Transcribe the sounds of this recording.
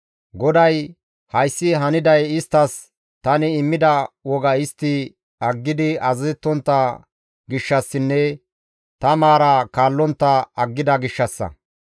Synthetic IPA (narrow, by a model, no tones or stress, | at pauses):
ɡɔd̪ɐj | hɐjsːɪɦɐnɪd̪ɐjɪst̪ːɐs | t̪ɐnɪːmːɪd̪ɐwɔɡɐɪst̪ːɪ | ɐɡːɪd̪ɪɐzzɛt̪ːɔnt̪ːɐ | ɡɪʃːɐsːɪnːɛ | t̪ɐmaːɾɐkaːlːɔnt̪ːɐɐɡːɪd̪ɐɡɪʃːɐsːɐ̰